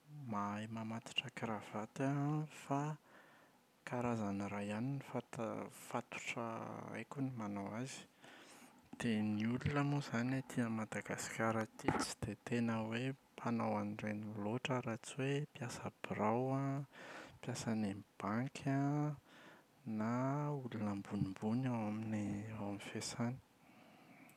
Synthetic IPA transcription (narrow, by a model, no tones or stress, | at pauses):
majmamat̪i̥ʈ͡ʂakɾav̥at̪afa | kaɾazanɾajaninifat̪fat̪u̥ʈ͡ʂə̰a̰jkunimanawazi̥ | d̪̥eniululəmozanat̪inəmad̪aɡasi̥kʲaɾət̪it͡si̥d̪̥et̪enəwepʰanawanreniloʈ͡ʂəɾat͡siwepjasəb̥iɾawa | pjasanemib̥aŋkʲʰa | naulunəmbunimbunawaminiawamifesani̥